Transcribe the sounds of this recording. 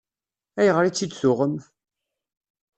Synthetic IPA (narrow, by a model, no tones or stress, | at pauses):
æjəʁɾit͡sːid̪sʊʁəm